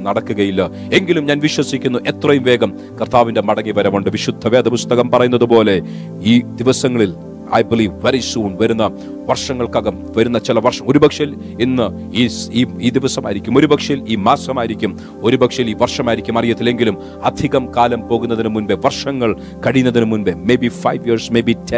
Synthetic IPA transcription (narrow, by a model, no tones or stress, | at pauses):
nɐɽɐkːuɣɐjilːɐ | e̞ŋɡilumɲaːnʋiɕwɐsikʲːunːuʔe̞t̪rɐjumʋe̞ːɡɐm | kɐrt̪ʰaːʋinde̞mɐɽɐŋːiʋɐɾɐmuɳɖɨʋiɕud̪ʱːɐʋeɐd̪ɐpust̪ɐɣɐmpɐrɐjunːɐðupo̞ːle̞ | iːd̪̥iʋɐsɐŋːɐɭil | ɐ̰jbiliːʋʋeɾisuːnʋɐɾunːɐ | ʋɐrʂɐŋːɐɭkɐɣɐm | ʋɐɾunːɐt͡ɕilɐʋɐrʂɐmo̞ɾubɐkʂɐil | inːɨ | iːiːiːd̪iʋɐsɐmaːjiɾikʲːumo̞ɾubɐkʂɐjiliːmaːsɐmaːjiɾikʲːum | o̞ɾubɐkʂɐjiliːʋɐrʂɐmaːjiɾikʲːumɐrijɐt̪ːileŋɡilum | ɐd̪ʱiɣɐmkaːlɐmpo̞ːɣunːɐðinɨmunbeʋɐrʂɐŋːɐɭ | kɐɽijunːɐðinɨmunʋemebifɐjʋjirsmejbitʰe